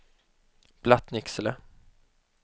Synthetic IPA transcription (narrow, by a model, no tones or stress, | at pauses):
b̥lat̪nɪksələ